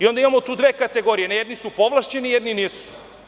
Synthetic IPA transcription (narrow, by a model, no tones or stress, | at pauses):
io̞nd̪aimamot̪uːd̪ʋeːkat̪eɡo̞ːɾijenjed̪nisupoʋlˠaʃt͡ɕenijɛd̪niniːsu̥